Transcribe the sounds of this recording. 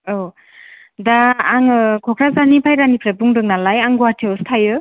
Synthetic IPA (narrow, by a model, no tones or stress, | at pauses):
o | daːŋɯkʰɔkʰɾazanipʰajɾanipʰɾebuŋdɯŋnalajaŋɡuatʰiwstʰajɯ